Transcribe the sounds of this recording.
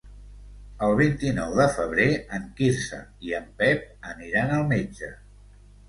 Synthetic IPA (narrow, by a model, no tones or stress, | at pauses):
əlˠβ̞int̪inɔwðəfəβ̞ɾeəŋkiɾsə̰iəmpɛp̚əniɾanəlˠmed͡ʒə